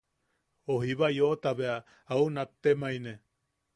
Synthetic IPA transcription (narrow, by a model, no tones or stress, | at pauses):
oɦiβajot̪aβeaː | unap̚t̪emaine